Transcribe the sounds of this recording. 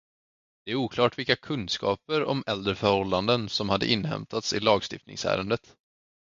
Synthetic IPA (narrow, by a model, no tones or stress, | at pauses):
d̪̥ɛæɾuːkʰlɑːʈvɪlkakʰɵnd̪skɑ̰ːpəɾɔmɛld̪ɾəfœɾhɔlːand̪ənsɔmhad̪ːə̰ʔɪnːhɛ̰mt̪ʰat̪sɪlɑːɡst̪ɪft̪nɪ̰ŋsæ̰ːɾənd̪ət̪